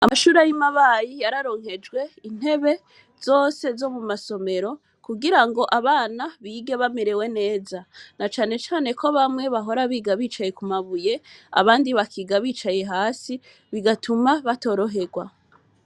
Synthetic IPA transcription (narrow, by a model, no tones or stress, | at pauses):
amaʃuːɾajimaβajijaɾaɾo̞ŋɦe̞d͡ʒɡwe̞in̥e̞βe̞ | z̥o̞ːse̞zo̞mumaso̞me̞ɾo̞ | kuɡiɾaŋɡo̞ʔaβaːnaβiːɡe̞βameɾe̞we̞ne̞ːzanat͡ʃaːne̞t͡ʃaːne̞kʰoβamŋe̞βaɦo̞ɾaβiːɡaβit͡ʃaje̞kumaβuje̞a̰βaːndiβakʰiɡaβiːt͡ʃaje̞ɦaːsi | βiɡatumaβato̞ːɾo̞ɦe̞ɡwa